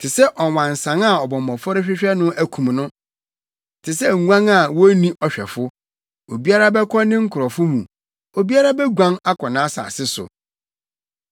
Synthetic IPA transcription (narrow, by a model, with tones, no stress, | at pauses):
tʰɪ˨sɛ˦ʔɔ˨wã˨n̩˨sã˨˦a˨ɔ˨bɔ̃˨mɔ̃˨fɔ˦ɾɪ˦ɕᶣɪ˦ɕᶣɛ˦nʊ̃˦ʔæ˦kʰũ˨mnʊ̃˦ | tʰɪ˨sɛ˦˨ŋʷ˦ã˦ŋa˨wɔ˦nĩ˦ʔɔ˨ɕᶣɛ̰˨fʊ˦ | o˨bi˦a˦ɾa˦bɛ˦kʰɔ˦nɪ̃˦ŋ̩˦kʰʊ˨ɾɔ˨fʊ˦mũ˨ | o˨bi˦a˦ɾa˦bɛ˦ɡʷã˦ŋa˦kʰɔ˨nãː˦sa̰˨sɪ˦sʊ̰˨